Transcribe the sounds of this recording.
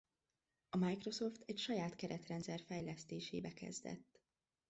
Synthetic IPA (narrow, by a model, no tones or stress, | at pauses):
ɒmajkro̞so̞ft̪ʰɛcʃɒjaːt̪kɛɾɛt̪rɛnt̪sɛrfɛjlɛst̪eːʃeːbɛkɛ̰zd̪ɛ̰t̪ː